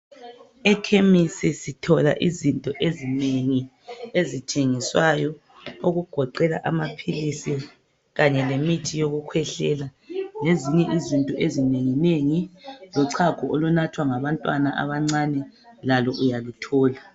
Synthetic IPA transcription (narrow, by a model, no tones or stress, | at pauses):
ɛkʰemisisitʰɔla̰ʔizintʼɔʔezineŋi | ezitʰeŋiswajɔ | oɣuɡ̥ʱɔǃɛla̰ʔa̰mapʰilisi | ɣaɲɛlemitʰijoɣukʰwɛɬɛ̰laneziɲɛʔizintʼɔʔezineŋineŋilɔǀʰakʰɔʔɔlunatʰwaŋaβantʼwanaʔa̰βaŋ͡ǀanɛlalɔʔujalutʰɔːla